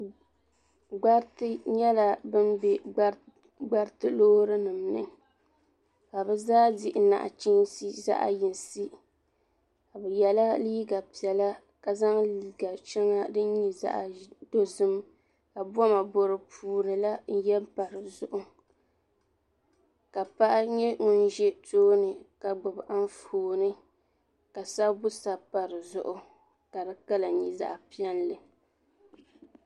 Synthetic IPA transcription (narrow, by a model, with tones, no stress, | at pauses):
ɡ͡ba˦tɲɛ˦la˦bɨ˦nbɛ˨ | ɡ͡ba˦ɾtɨ˦lo˦hɾɨ˦nɨ˨mnɨ̰˦ | ka˨bɛ˦zaː˦dɪ˦ʔɪ˨na̰˨ʔa̰˨t͡ʃi˦si˦za̰˦ʔa̰˦ji˨n˨si˦ | ka˨bɛ˨jɛ˨la˦liː˦ɡa˨pi˨ɛ˨la˦ | ka˨za˦ŋli˦ɡa˨t͡ʃɛ˦ŋa˦dɨ˦n˦ɲi˨za̰˦ʔa˨do˨zɨ˦m | ka˨bɔ˦ma˨bo˨ɾɨ˨pʰuː˨nɨ˨la˦n̩˦jɛ˦mpa˨ɾɨ˨zʊ˨ʔʊ˦ | ka˨pa˦ʔa˦ɲɛ˦ŋʊ˦n˦ʒɛ˦tʰoː˦nɨ˨ka˨ɡ͡bʊ˨bʔa˦n˦foː˨nɨ˦ | ka˨sa˦bʊ˦sa˨pa˨ɾɨ˨zʊ˦ʔʊ˦ | ka˨dɨ˦ka˦la˨ɲi˦za̰˨ʔa˨pi˦ɛ˦nlɨ˨